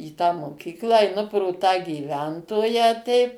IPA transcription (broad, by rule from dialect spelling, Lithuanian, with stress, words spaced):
iː tɑː moːˈkʲiːklˠɑː ɛɪˈnʊ proː tɑː ɡʲiːˈʋʲɛntoːjæː tʲɛɪp